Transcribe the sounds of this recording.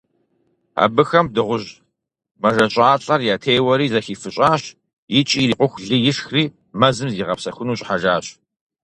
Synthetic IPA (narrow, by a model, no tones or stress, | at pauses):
a̰ːbɨxɐmdɨʁʷʊʑ | mɐʒɐɕʼaːɬʼɐrjaːtʰejwɐɾiːzɐxiːfɨɕʼaːɕ | jɪt͡ʃʼiriːqʷʊxʷɮɨjɪʂxriː | mɐzɨmziːʁɐpsɐxʷʊnuːɕʼħaʒaːɕ